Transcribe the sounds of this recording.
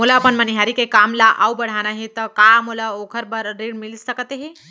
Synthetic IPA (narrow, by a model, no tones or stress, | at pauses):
mulaəpənməniɦaɾikekamlaʔaubəɽ̤anaɦit̪əkamulaokʰəɾbəɾːeɽmilsəkət̪eɦi